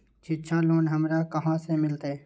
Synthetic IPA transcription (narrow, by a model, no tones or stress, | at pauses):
t͡ʃʰɪʃʰãloːnɦəmɾakəɦãsemɪlt̪eː